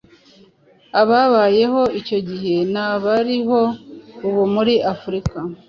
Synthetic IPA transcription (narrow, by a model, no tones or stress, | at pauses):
aβaβaje̞ho̞ico̞ɟiɦe̞naβaɾiɦo̞uβumuɾiafuɾika